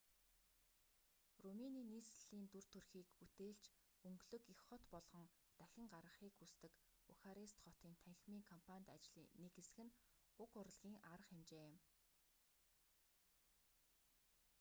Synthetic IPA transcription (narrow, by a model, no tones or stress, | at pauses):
rumeniːniːsɮ̥iːnt̪ur̥t̪ʰɵrxiːkut̪eːɮt͡ɕ | ɵŋɡɮɵ̆kixχɔt̪pɔɮʁɞ̆ŋ | t̪æxʲɪ̆ŋɢarʁə̆χiːkxust̪ɘ̆kuxaɾist̪χɔt̪iːnt̪ʰæŋxʲmiːŋkʰɔmpʰanʲt̪at͡ɕɮḭːnekesɘ̆ɣɘ̆nʊkʊɾə̆ɮɣʲiːŋʔaɾə̆χemt͡ɕeːɪ̆m